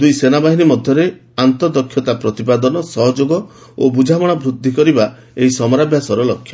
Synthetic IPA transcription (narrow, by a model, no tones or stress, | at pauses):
d̪ujsenabaɦinimɔd̪ʱjɔɾe | ant̪ɔd̪ɔkʰːjɔt̪apɾɔt̪ipad̪ɔnɔsɔɦɔd͡ʒoɡɔ | o̰bud͡ʒʱabɔɽ̃ɔbɾud̪ʱːikɔɾiba | eɦisɔmɔɾabjasɔɾɔlɔkʰːjɔ